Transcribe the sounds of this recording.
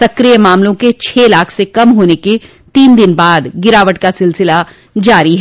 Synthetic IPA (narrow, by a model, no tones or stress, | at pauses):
sɐkɾijəmaːmlõket͡ʃʰeːlaːkʰsekɐmɦoːneke | t̪iːnd̪ɪnbaːd̪ɡɪɾaːʋəʈkasɪlsɪla | d͡ʒaːɾiɦɛ